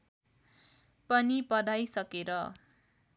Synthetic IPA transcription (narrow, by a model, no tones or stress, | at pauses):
pʌnipʌd̪ajsʌkeɾʌ